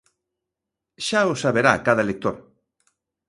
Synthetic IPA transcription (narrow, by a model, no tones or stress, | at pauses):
ʃaosaβeɾakaðɐelek̚t̪oɾ